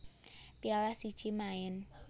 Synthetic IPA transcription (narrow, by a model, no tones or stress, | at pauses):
pialasi̥t͡ʃimaɪn